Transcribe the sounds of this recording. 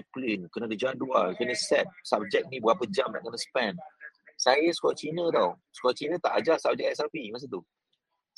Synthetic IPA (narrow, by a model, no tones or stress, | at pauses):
aplinkənə̃dəd͡ʒaduakənəsɛt̪̚sapb̚d͡ʒɛk̚nĩbəapəd͡ʒamna̰ʔkənaspɛnsajəskɔat͡ʃinə̃t̪awskɔat͡ʃinə̃t̪a̰ʔad͡ʒasab̚d͡ʒɛk̚ɛsapimas̬ət̪u